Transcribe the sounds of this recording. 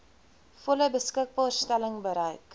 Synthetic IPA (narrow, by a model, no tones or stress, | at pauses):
fɔləbəskək̚bɑːrstæləŋbəɾəjk